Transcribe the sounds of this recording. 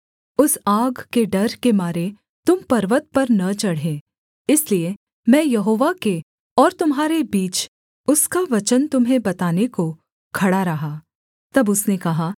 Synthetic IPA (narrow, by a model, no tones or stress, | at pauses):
ʊsaːɡkeɖɐɾkemaːɾe | t̪ʊmpɐɾʋət̪̚pɐɾnɐt͡ʃɐɽɦẽː | ɪslie | mɛ̃ːjɐɦoːʋake | ɔːɾt̪ʊmɦaːɾebiːt͡ʃ | ʊskaʋɐt͡ʃənt̪ʊmɦebɐt̪aːneko | kʰɐɽaɾɐɦaː | t̪ɐbʊsnekɐɦaː